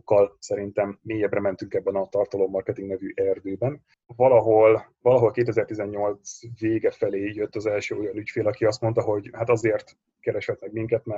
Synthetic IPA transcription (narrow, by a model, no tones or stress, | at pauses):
kːɒlsɛɾint̪ɛmːeːjɛbrɛmɛn̪t̪yŋkɛbːɛnɒt̪ɒrt̪ɒloːmɒrkɛt̪iŋɡnɛvyʔɛrd̪øːbɛn | vɒlɒɦo̞l | vɒlɒɦo̞lkeːt̪ɛzɛrt̪izɛɲːo̞lt̪sveːɡɛfɛleːjøt̪ːɒzɛlʃøːo̞jɒnycfeːlɒkiɒst̪mo̞nt̪ɒɦo̞ɟhat̪ɒzeːrt̪ | kɛɾɛʃhɛt̪nɛkmiŋkɛt̪mɛ